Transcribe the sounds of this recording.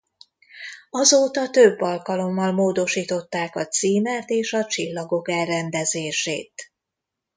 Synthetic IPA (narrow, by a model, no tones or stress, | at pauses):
ɒzoːt̪ɒt̪øbːɒlkɒlo̞mːɒlmoːd̪o̞ʃiːt̪o̞t̪ːaːkɒt̪siːmɛt̪eːʃɒt͡ʃilːɒɡo̞kɛlːɛnd̪ɛzeːʃḛːt̪